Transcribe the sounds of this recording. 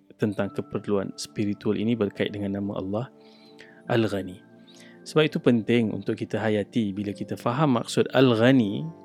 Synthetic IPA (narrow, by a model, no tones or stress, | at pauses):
t̪ənt̪aŋkəpərlua̰nspiɾit̪ualinibərkaɪ̰dəŋanːãmã̰ʔɑ̰lːɑh | ʔalɣani | səbap̚it̪upənt̪ɪŋṵnt̪ʊkːit̪aɦajat̪ibilakit̪afaɦamːa̰k̚sʊda̰lɣani